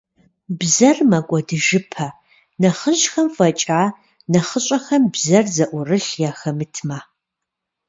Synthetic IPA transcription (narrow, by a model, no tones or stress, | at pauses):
bzɐrmɐkʷʼɔdɨʒɪpʰɐ | nɐχəʑxɐmfɐt͡ʃʼaː | nɐχəɕʼɐxɐmbzɐrzɐʔʷʊrɨɬjaːxɐmɨtʰmaː